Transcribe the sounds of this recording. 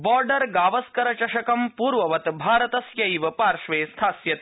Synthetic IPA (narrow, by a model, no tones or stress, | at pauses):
bɔːɾɖɐɾɡaːʋɐskɐɾɐt͡ʃɐʃɐkɐmpuːɾʋɐʋɐt̪bʱaːɾɐt̪ɐsjɐjʋɐpaːɾʂʋeːst̪ʰaːsjɐt̪